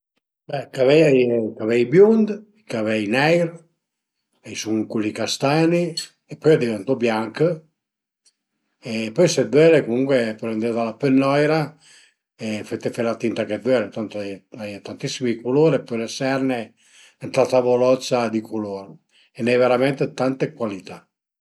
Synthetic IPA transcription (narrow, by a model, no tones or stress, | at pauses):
bɛkavɛjajkavɛjbjund̪ | kavɛjnɛjɾ | ɛjsuŋkulːikast̪aːni | epːɔjad̪ivent̪ɔbjaŋkə | epɔjsɛd̪wɛɾekomuŋkwepɔɾend̪et̪alapenːɔjɾa | efet̪ːefelat̪int̪aked̪wɛɾet̪ant̪oɛjajt̪ant̪isːimikuloːɾepːɔjlesɛrne | ɛnt̪ɾat̪avolɔt̪sad̪ikʰuloːɾ | enːɛjveɾament̪et̪ant̪ekwalit̪a